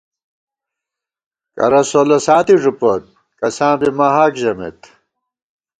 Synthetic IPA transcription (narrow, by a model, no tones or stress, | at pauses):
kɐ̰ɾɐsolɐsaːt̪iʐupot̪̚ | kɐsãːbimaɦaːkʑɐmḛt̪